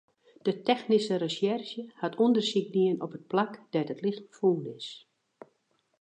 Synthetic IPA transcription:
d̥ətɛxnisəɾəsɛrʃjəhatʰondərsik̚niənɔpət̚plakd̥ɛtətlɪxtəfuːnɪs

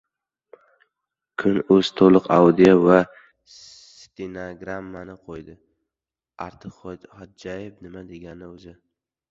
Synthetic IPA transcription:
kʰʊnɵz̥t̪ʰolˠɨqa̰wd̪ijova | t̪inoɡɾamːanɪqʰojd̪ɪ | aɾt̪ʰɨχɒd̪̚d͡ʒajɪbnɪmad̪e̞ɡʲanɪozɪ

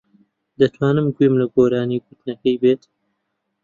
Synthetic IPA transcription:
d̪ɐt̪ʰwaːnɨmɡijmlɐɡoːɾaːniːɡut̪nɐkɐjbeːt̪

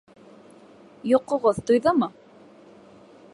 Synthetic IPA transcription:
joqŏʁoðt̪ojðɤmɤ

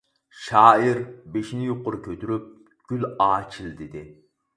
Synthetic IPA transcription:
ʃɑːiɾbeʃinɪjoqːʊɾkʲʰøt̪ʰyɾyp̚ | ɡ̥ʲylɑːt͡ʃʰild̪ɪd̪ɪ

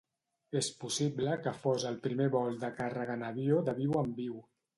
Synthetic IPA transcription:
espusibləkəfozəlˠpɾimeβɔlˠd̪əkarəɣ̞ənəβjod̪əβiwəmbiw

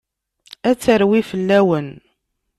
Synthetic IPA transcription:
æt͡sːəɾwifəlːæwən

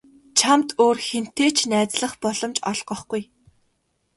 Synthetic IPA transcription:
t͡ɕʰamt̪oːrxen̥t̪eːt͡ɕʰnæːt͡sɮə̆χpɔɮ̥ɞ̆mt͡ɕɔɮɢɞ̆χɡuj

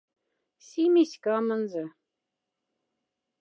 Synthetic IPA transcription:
sʲimesʲkɑmə̆nzɤ̆

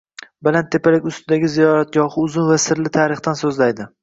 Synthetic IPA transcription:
balant̪ʰːe̞palɪkʲʊst̪ʰɪd̪aɡʲɪzijɒɾat̪̚ɡʲɒhɨʊzʊnvasɪɾlɪt̪ʰaɾɪχt̪ansɵzlajd̪ɪ

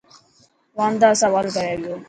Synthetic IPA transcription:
ʋãːnd̪aːsaʋaːlt̪ɐɾaːʋijoː

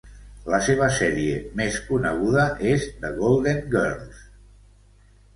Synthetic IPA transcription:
ləseβ̞əsɛɾiḛmeskunəɣ̞uðəʔezd̪əɣolˠd̪eŋɡɛrlˠs

